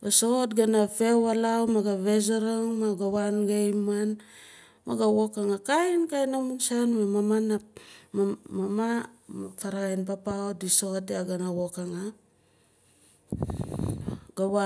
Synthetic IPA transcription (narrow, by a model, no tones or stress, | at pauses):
ɡasotɡanafewalawmaɡaβezoɾaŋmaɡawanɡejman | maɡawokaŋakajnkajnamunsanmamamana | mamamafaɾajnpapaodiso̞teaɡanawokaŋa | ɡawa